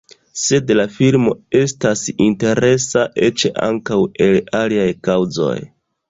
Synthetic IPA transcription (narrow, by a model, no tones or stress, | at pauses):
se̞dlafilmo̞e̞stasinte̞ɾe̞saʔe̞t͡ʃeʔa̰ŋkawe̞laliajkawzo̞̰j